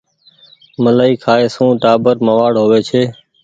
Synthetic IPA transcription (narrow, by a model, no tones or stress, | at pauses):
məlaːiːkʰaːeːsũːʈaːbəɾməʋaːɽɦoːʋeːt͡ʃʰeː